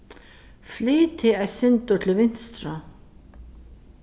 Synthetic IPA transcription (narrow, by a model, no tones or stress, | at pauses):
fliːt̪ɪaðsɪnt̪ʊt̪ʰɪlvɪn̥st̪ɾa